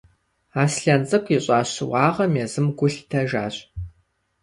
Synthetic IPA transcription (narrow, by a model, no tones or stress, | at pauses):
aːsɬɐnt͡sʼɨkʷʰʼiɕʼaːɕɪwɑːʁɐmjɛzɨmɡʷʊɬtʰɐʒa̰ːɕʼ